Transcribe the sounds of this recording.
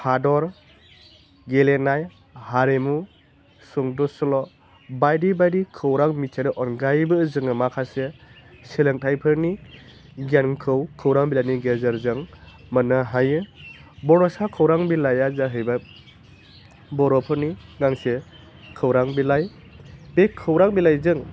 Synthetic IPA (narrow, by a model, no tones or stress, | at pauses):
hʰadɔɾ | ɡelenaj | haɾemu | suŋdɔsɔlɔ | bajdibajɾikʰɯwɾaŋmisʰaɾɯʔɔnɡajbɯzɯŋɯmakʰaseseleŋtʰajpʰɯɾni | ɡankʰɯwkʰɯwɾaŋbilajniɡezaɾzɯŋmənaɦajɯbɔɾɔsakʰɯwɾaŋbilajazaɦɯjba | bɔɾɔpʰɯɾniŋaŋse | kʰɯwɾaŋbilaj | bekʰɯwɾaŋbilajzɯŋ